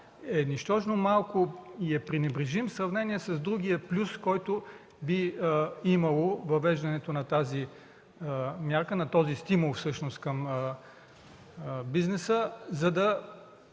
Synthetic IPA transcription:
ɛniʃt̪ɔʒnomalˠkoiɛpɾinɛbɾiʒimsɾɐvnɛniɛsɐzd̪ɾuɡʲiɐplʲuskɔjt̪ʊ | biimɐlˠovɐvɛʒd̪ɐnɛt̪onɐt̪azi | mjaɾkənɐt̪ɔzist̪imulˠfsɤʃnost̪kɐm | biznɛsəzɐd̪ɐ

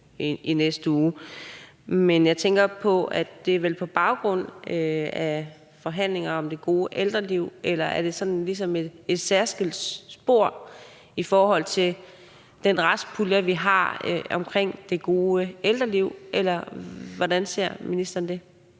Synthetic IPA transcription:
inesd̥əuː | menjɑ̈ɪt͡sʰeŋɡ̥ɐpʰɒ̽æd̥e̝æʋelpʰɒ̽b̥ɑ̈ʊɡ̥ʁɔ̽n̰øæ | fɒ̽ɦæn̰le̝ŋɐɒ̽md̥e̝ɡ̥o̝ːəʔeld̥ʁɐliʊ̰elɐʔæɐd̥e̝sɒ̽nnlis̬ɒ̽me̝d̥e̝d̥sæɐsɡ̥əlsb̥o̝ɐ̰ | ifɒːɦɒ̽l̰t͡sʰe̝l | d̥enʁɑspʰulɐʋiɦɑ̈ɒ̽mkʰʁeŋ̰d̥e̝ɡ̥o̝ːəeld̥ʁɐliʊ̰ʔelɐʋɒdænse̝ɐ̰minisd̥ɐnd̥e̝

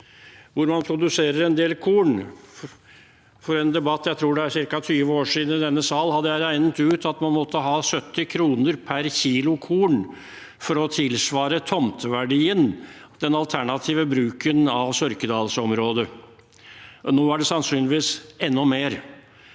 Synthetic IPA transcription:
ʋʊɾmɑnpʰɾʊd̪ʉseːɾəɾɛnd̪eːlkʰuːɳ | fɔɾɛnd̪ɛbɑt̪ːjæɪt̪ʰɾuːɖɛæɾʂɪɾkɑt̪ʰyːʋəoːʂiːd̪n̩ɪd̪ɛnːəsɑːlhɑd̪ːəjæɪɾæɪnət̪ʉːt̪ɑt̪mɑnmɔt̪ʰːəɦɑːsœt̪ːɪkʰɾuːnəɾpʰæɾçiːlʊkʰuːɳ | fɔɾɔt̪ʰɪlsʋɑːɾət̪ʰɔmt̪ʋæɖiːənd̪̥ɛnɑlt̪ʰæɳɑt̪ʰiːʋəbɾʉːkənɑʋsœɾkəd̪ɑːlsɔmɾoːd̪ə | ʔnoːæɖɛsɑnsyːnlɪʋiːsɛnːɔmeːɾ

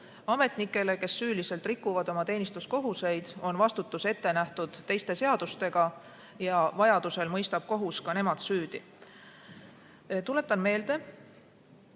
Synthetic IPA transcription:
ɑme̞t̪ˑnikːˑe̞le̞ke̞sːyːliselt̪ˑrikːˑuvɑd̪o̞mɑt̪e̞ːnist̪usko̞ɦuse̞jd̪̥o̞nvɑst̪ut̪ːˑuse̞t̪ːe̞næht̪ud̪̥t̪ːe̞jst̪e̞se̞ɑd̪̥ust̪e̞ɡ̥ɑ | jɑvɑjɑd̪̥use̞lmɤjst̪ɑb̥̚ko̞ɦuskɑne̞mɑd̪̥syːd̪̥i | t̪ule̞t̪ːˑɑnme̞ːld̪̥e̞

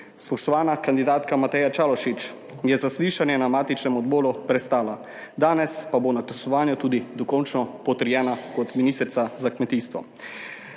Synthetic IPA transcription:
spɔʃt̪ɔʋaːnakand̪id̪aːt̪kamat̪ɛːjat͡ʃaːlɔʃit͡ʃ | jɛzasliːʃanjɛnamaːt̪it͡ʃnɛmɔd̪boːlupɾɛst̪aːla | d̪aːnɛspabonat̪ɛsɔʋaːnjut̪uːd̪id̪ɔkɔnt͡ʃnɔpɔt̪əɾjɛːnakɔt̪minist̪ɾt̪sazakmɛt̪iːst̪ʋɔ̰

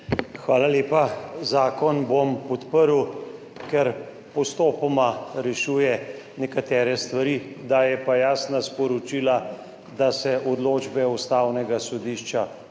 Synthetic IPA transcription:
xʋaːlaleːpazaːkɔnbompɔt̪pəɾu | kɛɾ | pɔst̪oːpɔmaɾɛʃuːjɛ | nɛkat̪ɛːɾɛst̪ʋaɾiːd̪ajɛpajaːsnaspɔɾɔt͡ʃiːla | d̪asɛʔɔd̪loːd͡ʒbɛust̪awnɛɡasɔd̪iːʃt͡ʃa

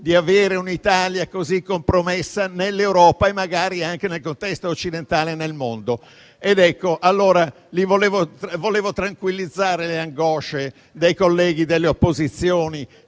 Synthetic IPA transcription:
d̪iaveːɾeunit̪aːljakozikːompɾomesːanelːewɾɔːpaemːaɡaːɾiaŋk̟enelkont̪ɛst̪oːt͡ʃːid̪ent̪aːlenelmond̪o | ed̪ɛkːoʔalːoːɾa | livoleːvovoleːvot̪ɾaŋkwilːid̪zːaːɾeleaŋɡɔːʃe | d̪ejkolːɛːɡ̟id̪elːeopːozit̪sːjoːni

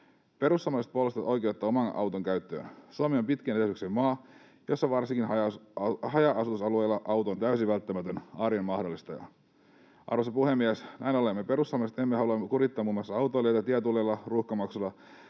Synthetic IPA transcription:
pe̞ɾusːɑmɑset̪̚polust̪ɑt̪o̞jkeut̪ːɑomɑnɑ̰wt̪oŋkæyt̪ːø̰ːnsuɑmeompit̪kæneesyksemmɑː | josːɑʋɑrsiŋkinɑjɑhɑjɑʔɑsut̪usɑluejlːɑʔɑwt̪oːnt̪æysiʋælt̪ːæmæt̪ønɑːɾiemmɑhdolːist̪ɑjɑ̰ | ʔɑ̰rʋosɑpuhemːiæsnʔæ̰inolemːepe̞ɾust̪ːɑmɑset̪emːehɑluɑmːekuɾit̪ːɑːmuːmːɑlsɑɑwt̪oliet̪æt̪iæt̪ulːelːɑruxkɑmɑksulːɑ

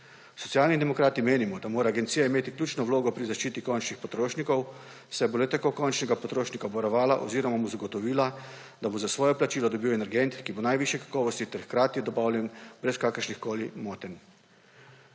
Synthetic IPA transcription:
sɔt̪sjaːlnid̪ɛmɔkɾaːt̪imeːnimɔd̪amoːɾaːɡɛnt̪siːjaimeːt̪iklʲuːt͡ʃnɔwloːɡɔpɾizaʃt͡ʃiːt̪ikɔnt͡ʃnixpɔt̪ɾoːʃnikɔw | sɛbolɛt̪ɛkokɔnt͡ʃnɛɡapɔt̪ɾoːʃnikabɔɾɔʋaːlaʔo̰ziːɾɔmamozaɡɔt̪ɔʋiːla | d̪abozasʋɔːjɔplat͡ʃiːlɔd̪ɔbiːwɛnɛɾɡɛnt̪kibonajʋiʃjɛkḁkɔːʋɔst̪it̪ɛɾxkɾaːt̪jid̪ɔbaːwlʲjɛnbɾɛskaːkəɾʃnixkoːlimɔːt̪ɛn

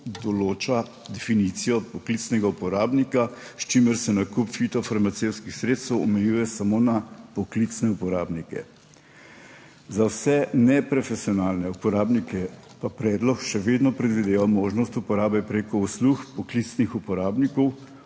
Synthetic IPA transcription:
d̪ɔloːt͡ʃa | d̪ɛfinit̪sijɔpɔklit̪snɛɡaupɔɾaːbnikast͡ʃimɛɾsɛnakupfit̪ɔfaɾmat̪sewt̪skixsɾeːt̪st̪ɛwɔmɛjuːjɛsamonapɔklit̪snɛupɔɾaːbnikɛ̰ | zawsɛnɛpɾɔfɛsijɔnaːlnɛupɔɾaːbnikɛ | papɾɛːd̪lɔkʃɛʋed̪nɔpɾɛd̪ʋid̪eːʋamoːʒnɔst̪upɔɾaːbɛpɾeːkɔusluxpɔklit̪snixupɔɾaːbnikɔw

